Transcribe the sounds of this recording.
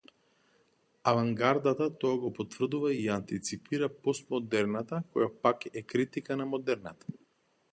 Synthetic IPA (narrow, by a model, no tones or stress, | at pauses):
avaŋɡaɾd̪at̪at̪ɔaɡɔpɔt̪vr̩d̪uvaiant̪it̪sipiɾapɔst̪mɔd̪ɛɾnat̪akɔjapakɛkɾit̪ikanamɔd̪ɛɾnat̪ḁ